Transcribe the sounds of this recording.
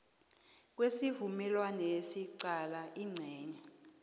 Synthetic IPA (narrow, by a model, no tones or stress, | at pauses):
k̬wesivumɛlwanɛesiǀalaʔiŋ͡ǀʱɛːɲɛ